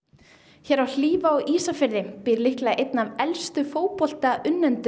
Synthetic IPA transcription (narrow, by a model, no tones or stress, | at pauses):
çɛːɾawl̥iːvaɔɣʔiːsafɪɾðɪpɪːɾlɪhklaʔejt̪navɛlst̪ʏfoːwpɔl̥t̪aʔʏnːɛnt̪ʏ